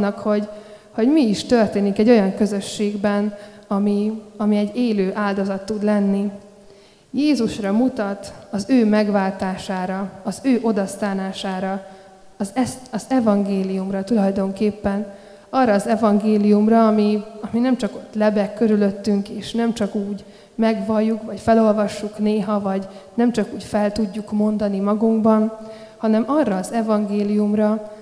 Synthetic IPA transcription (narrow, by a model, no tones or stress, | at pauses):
nːɒkho̞ɟ | ho̞ɟmiːʃt̪ø̞rt̪eːnikɛɟːo̞jɒŋkø̞zø̞ʃːeːɡbɛnɒmiɒmiɛɟːeːløːʔaːld̪o̞zɒt̪ːud̪lɛnːi | jeːzuʃrɒmut̪ɒt̪ɒzøːmɛɡʋaːlt̪aːʃaːɾɒːzøːʔo̞d̪ɒst̪aːnaːʃaːɾɒː | zɛsɒzɛvɒŋɡeːlijumrɒt̪ulɒjd̪o̞ŋkeːpːɛn | ɒrːɒːzɛvɒŋɡeːlijumrɒɒmiɒminɛmt͡ʃɒkot̪ːlɛbɛkːø̞ɾylø̞t̪ːyŋkeːʃnɛmt͡ʃɒkuːɟ | mɛɡvɒjːukvɒcfɛlo̞lvɒʃːukneːɦɒvɒɟnɛmt͡ʃɒkuːcfɛlt̪uɟːukmo̞nd̪ɒnimɒɡuŋɡbɒn | hɒnɛmɒrːɒːzɛvɒŋɡeːlijumrɒ